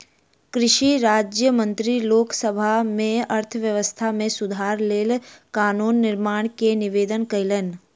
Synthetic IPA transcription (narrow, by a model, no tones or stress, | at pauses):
kɾɪʃiɾaːd͡ʒjəmə̃nt̪ɾiloːksəbʱamẽɐɾt̪ʰəʋjəʋəst̪ʰamẽsʊd̪ʱaːɾleːlkaːnuːnːɪɾmaːɽ̃kenɪʋeːd̪ənkələn